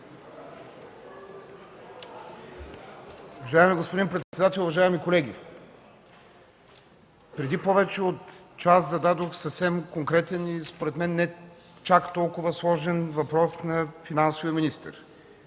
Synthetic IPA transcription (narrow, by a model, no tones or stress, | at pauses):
ʊvɐʒaɛmiɡospod̪impɾɛt̪ssɛd̪at̪ɛlˠʊvɐʒaɛmikolɛɡʲḭ | pɾɛd̪ipɔvɛt͡ʃɛot̪t͡ʃaszɐd̪ad̪oxsəfsɛmkoŋkɾɛt̪ɛnispoɾɛt̪mɛnːɛ | t͡ʃakt̪ɔlˠkʊvəslˠɔʒɛnvɐpɾɔsnɐfinansoviəminist̪ə̰ɾ